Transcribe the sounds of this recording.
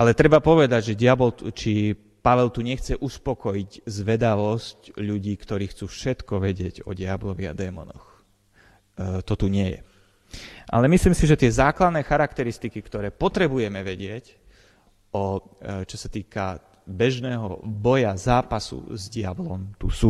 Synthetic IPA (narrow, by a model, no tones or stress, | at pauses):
ʔalɛt̪ɾɛbapɔʋɛd̪aɟʒɛɟɪabɔlt͡ʃi | paʋɛlt̪uɲɛxt͡sɛʔuspɔkɔjiɟzʋɛd̪aʋɔscʎuɟiːkt̪ɔɾiːxt͡suːfʃɛt̪kɔʋɛɟɪɛɟɔ̰ɟɪablɔʋia̰d̪ɛːmɔ̰nɔ̰x | t̪ɔt̪uɲɪɛjɛ̰ | ʔa̰lɛmisliːmsiʒɛt̪ɪɛzaːklad̪nɛːxaɾakt̪ɛɾist̪ikikt̪ɔɾɛːpɔt̪ɾɛbujɛmɛʋɛɟɪɛc | ɔt͡ʃɔsat̪iːka̰ | bɛʒnɛːɦɔ̰bɔjazaːpasṵzɟɪablɔmt̪usuː